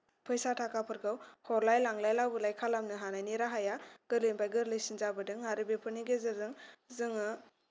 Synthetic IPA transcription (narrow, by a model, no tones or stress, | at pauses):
pʰɯjsatʰakʰapʰɯɾɡawhɔɾlajlaŋlajlawbɯlajkʰalamnɯɦanajniɾaɦajaɡ̥ɯɾlɯjmbajɡɯɾlɯjsinzabɯdɯŋːaɾɯbepʰɯɾniɡezɯzɯŋzɯŋɯ